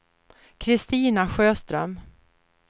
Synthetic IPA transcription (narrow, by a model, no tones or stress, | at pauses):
kʰɾɪst̪iːnaɧøːst̪ɾœm